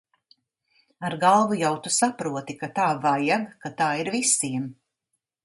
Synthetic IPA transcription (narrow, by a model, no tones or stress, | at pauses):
aɾɡalˠvujawt̪usapɾuɔt̪ikat̪aːvajaɡkat̪aːiɾvisiɛm